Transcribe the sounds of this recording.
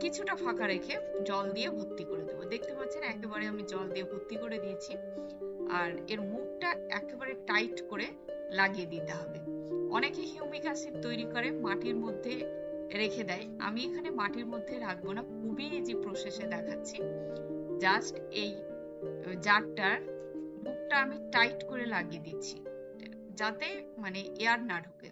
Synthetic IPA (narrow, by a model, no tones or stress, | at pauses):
kit͡ɕʰuʈafʰakaɾekʰed͡ʑɔld̪ijebʱot̪ːikoɾed̪ebod̪ek̚ʰt̪epaɾːt͡ɕʰenɛkebaɾeamid͡ʑɔld̪iebʱot̪ːikoɾed̪ijet͡ɕʰi | a̰ɾeɾmuk̚ʈaɛkebaɾeʈajʈkoɾe | laɡied̪it̪eɦɔbeɔnekeɦiumikaʃit̪̚t̪ojɾikoɾemaʈiɾmod̪ʱːe | ɾekʰed̪ɛea̰miekʰanemaʈiɾmod̪ʱːeɾak̚ʰbonakʰubid͡ʑepɾoʃeʃed̪ɛkʰatːɕʰi | d͡ʑasʈej | d͡ʑaɾ̚ʈːaɾ | muk̚ʈaamiʈajʈkoɾelaɡied̪itːɕʰi̥̰ | d͡ʑat̪emaneʔeaɾnaɖʱokḛ